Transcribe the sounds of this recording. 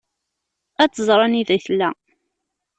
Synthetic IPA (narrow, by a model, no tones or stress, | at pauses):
æt͡sːəzˤɾˤɑniðæθlːæ